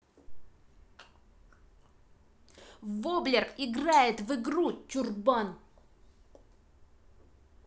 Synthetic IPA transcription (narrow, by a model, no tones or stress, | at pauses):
voblʲerkɪɡrajɪt̪vɨɡɾutʲurban